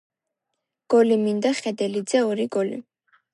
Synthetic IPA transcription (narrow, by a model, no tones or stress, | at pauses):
ɡ̥ɔlimind̪aχɛd̪ɛlid̪zɛɔɾiɡɔlḭ